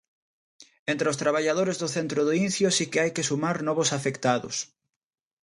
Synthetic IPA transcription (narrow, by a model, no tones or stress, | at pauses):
ẽnt̪ɾeost̪ɾaβ̞aʎaðoɾezðʊθent̪ɾʊðoin̟θjosikeajkesumaɾnɔβʊsafekt̪aðʊ̰s